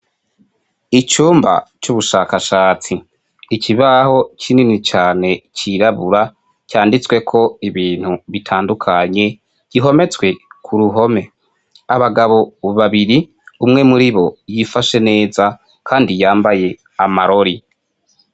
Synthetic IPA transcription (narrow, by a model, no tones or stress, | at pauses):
it͡ʃuːmba̰t͡ʃuβuʃaːkaʃaːt͡siː | cʰiβaho̞t͡ʃʰininit͡ʃaːne̞t͡ʃiɾaβuɾa | caːndit͡swe̞kʰo̞iβiːn̥huβitʰaːndukʰaɲe̞ | ɟ̥iɦo̞me̞t͡swe̞kʰuɾuɦo̞me̞ | aβaɡaβo̞βaβiɾi | umŋe̞muɾiβo̞jifaʃe̞ne̞ːza | kʰaːndijaːmbaje̞ | amaɾo̞ɾi